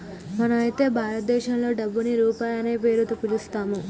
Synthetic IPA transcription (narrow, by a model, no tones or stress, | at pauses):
mɐnɐmɐjit̪e̞ːbʱaːɾɐt̪̚d̪ɛːʃɐmlo̞ːɖɐbːuniɾuːpaːjɐne̞ːp̬e̞ːɾut̪upːilist̪aːmu